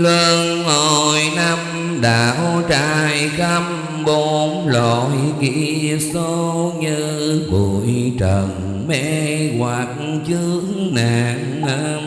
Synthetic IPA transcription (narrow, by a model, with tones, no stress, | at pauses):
lə˧ŋho˨˩˨jna˧m | ɗa̰ː˧˨ʔo˧˦t͡ɕaː˧˨jɣa˧m | ɓo˨˦mlo˧˨jkḭ˧˥so˧˦ɲɨ˧ | ku˨˩jt͡ɕə˨˩ŋ | mɛ̰˧ɣwa˨˩k̚t͡ɕɨ˧˦əŋŋnaː˨ŋ | a˧